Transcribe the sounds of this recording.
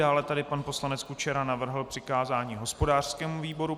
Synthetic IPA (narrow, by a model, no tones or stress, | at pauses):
aːlɛt̪adɪpanpo̞slanɛt͡skut͡ʃɛɾanavr̩ɦl̩pr̥ɪkaːzaːɲiːɦo̞spo̞daːr̥skɛːmuviːbo̞ɾu